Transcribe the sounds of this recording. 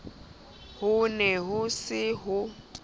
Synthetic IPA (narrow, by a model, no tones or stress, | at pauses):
hʊnɛɦʊsɪɦʊ